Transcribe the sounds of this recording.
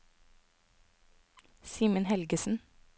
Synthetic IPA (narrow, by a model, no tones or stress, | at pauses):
siːmənhɛlɡəsn̩